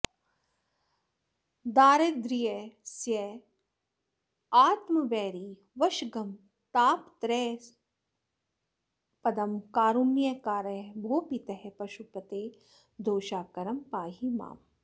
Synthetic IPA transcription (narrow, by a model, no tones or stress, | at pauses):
d̪aːɾɐd̪ɾijɐsjɐ | aːt̪mɐʋɛːɾi | ʋɐʃɡɐm | t̪aːpt̪ɾɛː | pɐd̪ɐmkaːɾumjɐkaːɾɐɦbʱoːpit̪ɐɦepɐʃupɐt̪eː | d̪oːʃaːkɐɾɐmpaːɦima̰ːm